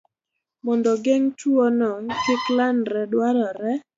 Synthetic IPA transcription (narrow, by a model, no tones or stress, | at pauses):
mɔndɔɡeŋt͡ʃwɔnɔtɪklanɾɛdwaɾɔɾɛ